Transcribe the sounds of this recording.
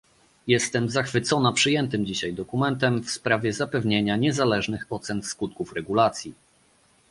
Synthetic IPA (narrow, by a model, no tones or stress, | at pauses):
jɛst̪ɛmzaxfɘt̪sɔnapʂɘjɛnt̪ɘmd͡ʑiɕajd̪ɔkumɛnt̪ɛmfspɾavʲjɛzapɛvɲeɲaɲɛzalɛʐnɘxɔt̪sɛnskut̪̚kufɾɛɡulat̪sʲji